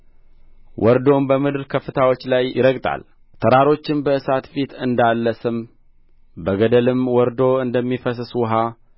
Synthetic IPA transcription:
wʔɔɾd̪o̞mbəmɨd̪ɨɾkʰəfːɨt̪ʰawo̞t͡ʃːlajɪɾəkt̪ʼa̰l | t̪ʰəɾaɾo̞t͡ʃːɪnbəɨsat̪fit̪ɨnd̪alːəsɨm | bəɡəd̪əlɨmwɔɾd̪o̞ɨnd̪əmːifəs̬swɦa

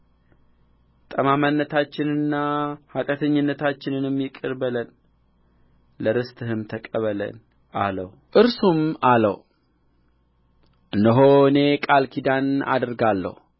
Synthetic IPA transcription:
t̪ʼəmamənːət̪ʰat͡ʃːɪnɨnːahat̪ʼət̪ʰəɲːɪnːət̪ʰat͡ʃːɪnɨnmːjɪkʼɨɾbələn | ləɾɨst̪ʼɨhɨmt̪ʰəkʼəβələ̰n | ʔalə̰w | ʔɨɾsumalə̰w | ʔɨnd̪əɦoɨne̞kʼalkʰid̪ana̰d̪ɾɡalːə̰h

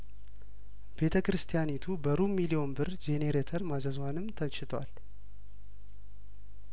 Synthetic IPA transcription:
b̥e̞t̪ʰəkɨɾɨst̪ʰijanit̪ʰubəɾumilio̞nbɨɾd͡ʒe̞ne̞ɾet̪ʰəɾmazəzwanɨmt̪ʰət͡ʃːɪt̪ʰwa̰l

